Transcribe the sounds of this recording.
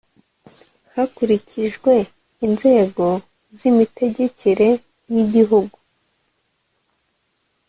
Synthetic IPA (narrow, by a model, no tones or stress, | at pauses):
hakuɾicʰiʒɡwe̞ | inze̞ːɡo̞ | zimite̞ɟe̞cʰeɾe̞ | jiɟiɦuɡu